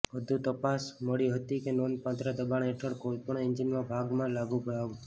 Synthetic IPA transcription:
ʋəd̪ʱũt̪əpasməɭiɦət̪ikenonpãt̪ɾəd̪əbaɽeʈʰəɭkojpəɳ̃end͡ʒinmãbʱaɡmãlaɡũbəɽaʋũ

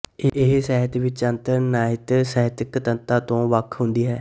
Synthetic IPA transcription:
eʔɪɦsɛːɦət̪ʋɪt͡ʃənt̪əɾnaːɦɪt̪sɛːɦət̪ɪkt̪ənt̪aːt̪õːʋəkʰɦʊnd̪iːɦɛː

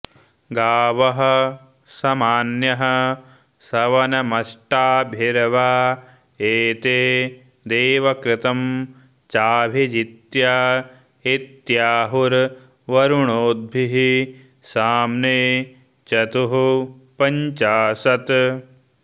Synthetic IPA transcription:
ɡaːʋɐɦɐ̆ | sɐmaːnjɐɦɐ̆ | sɐʋɐnɐmɐʃʈaːbʱiɾɐʋaː | eːt̪eː | d̪eːʋɐkɾɪt̪ɐm | t͡ʃaːbʱid͡ʒit̪jaː | it̪jaːɦuɾ | ʋɐɾuɳoːd̪̚bʱiɦi | saːmneː | t͡ʃɐt̪uɦupɐɲt͡ʃaːsɐt̪

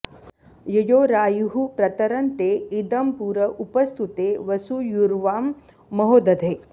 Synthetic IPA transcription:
jɐjoːɾaːjuɦupɾɐt̪ɐɾɐnt̪eːid̪ɐmpuːɾɐʔupɐst̪ʰut̪eːʋɐsujuɾʋaːmː | ɐɦoːd̪ɐd̪ʱeː

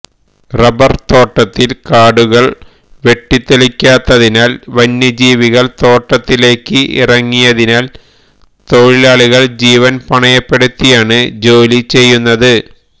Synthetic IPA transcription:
rɐbɐrt̪o̞ːʈːɐt̪ːilkaːɽuɣɐɭ | ʋe̞ʈːit̪ːelikʲːaːt̪ːɐðinaːlʋɐnːɐd͡ʑiːʋiɣɐɭt̪o̞ːʈːɐt̪ːile̞ːkːɨʔḭrɐŋːijɐðinaːl | t̪o̞ɻilaːɭiɣɐɭd͡ʑiːʋɐnpɐɳɐjɐpːe̞ɽut̪ːijaːɳɨd͡ʑo̞ːlit͡ɕe̞jːunːɐðɨ

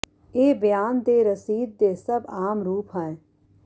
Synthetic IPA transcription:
eːbjaːnd̪eːɾəsiːd̪̚ːeːsɐbaːmɾuːpɦɛ̃

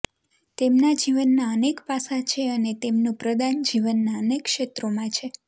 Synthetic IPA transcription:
t̪emnad͡ʒiʋənːaənekpasat͡ʃʰeənet̪emnũpɾəd̪and͡ʒiʋənːaənekʃet̪ɾomãt͡ʃʰe

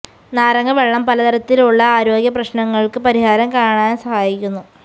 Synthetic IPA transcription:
naːɾɐŋɡɐʋe̞ɭːɐmpɐlɐt̪ɐɾɐt̪ːiluɭːɐaːɾo̞ːɡjɐprɐɕnɐŋːɐɭkɨpɐɾihaːɾɐmkaːɳaːnsɐhaːjikʲːunːu

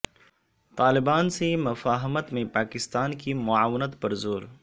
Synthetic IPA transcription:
t̪aːlɪbaːnsemɐfaːɦɪmət̪mẽpaːkɪst̪aːnkimʊaːwɪnət̪pɐɾzoːɾ

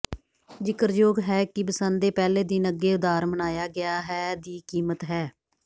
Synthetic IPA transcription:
d͡ʒɪkəɾd͡ʒoːɡɦɛːkɪbəsənd̪eːpɛːleːd̪iːnəɡːeːʊd̪aːɾmənaːjaːɡɪjaːɦɛːd̪iːkiːmət̪ɦɛː

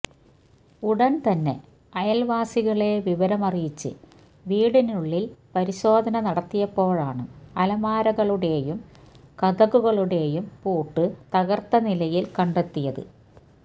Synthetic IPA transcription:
uɽɐnt̪ɐnːe̞̰ | ɐjɐlʋaːsiɣɐɭe̞ʋiʋɐɾɐmɐrijit͡ɕːɨ̰ | ʋiːɽinuɭːilpɐɾiɕo̞ːd̪ʱɐnɐnɐɽɐt̪ːijɐpːo̞ːɻaːɳɨɐlɐmaːɾɐɣɐɭuɽe̞ːjum | kɐðɐɣuɣɐɭuɽe̞ːjumpuːʈːɨt̪ɐɣɐrt̪ːɐnilɐjilkɐɳɖe̞t̪ːijɐðɨ̰

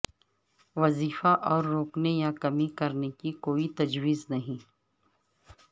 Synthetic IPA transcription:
ʋɐziːfaʔɔːɾːoːknejakɐmikɐɾnekikoːit̪ɐd͡ʒwiːznɐɦĩ

